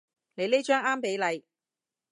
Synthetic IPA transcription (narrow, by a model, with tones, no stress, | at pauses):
le˨˧jle˥t͡ʃœː˥ŋaː˥mpe˨˥jlɐ˨˧j